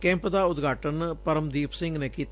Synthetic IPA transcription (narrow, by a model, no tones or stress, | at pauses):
kɛ̃ːmpd̪aːʊd̪ɡʱaːʈənpəɾəmd̪iːpʰsɪ̃ŋɡneːkiːt̪